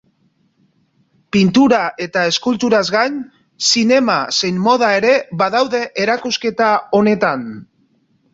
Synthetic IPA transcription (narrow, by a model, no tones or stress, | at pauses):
pint̪uɾaʔe̞t̪ae̞skult̪uɾazɣaɲ | sine̞mase̞jnmo̞ð̞ae̞ɾe̞βaðawðe̞ʔeɾakuske̞t̪ao̞ne̞t̪an